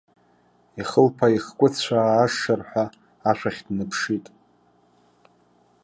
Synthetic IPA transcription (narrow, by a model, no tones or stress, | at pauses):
iχəlpʰaiχkʷʼʊt͡ɕʷʰaːʂarħʷaː | ʃʷᶣaχʲdnɨpʰʂitʼ